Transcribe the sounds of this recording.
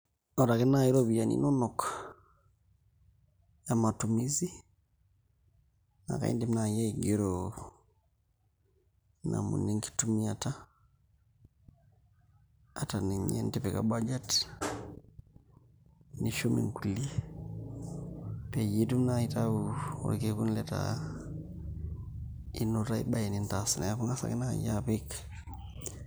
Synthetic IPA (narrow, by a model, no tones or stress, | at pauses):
oɾakenaiɾoβujanḭnonokḁ | jamatumizi | na̰ka̰ḭndimnajeɡiɾo | na̰mṵniŋki̥tumiata | ataniɲḛntipeka̰bad͡ʒat | niʃomḭŋkuli | pejitumnaitauṵɾkekunleta̰ | inotaḭbajinintasinajakuŋasa̰kina̰japik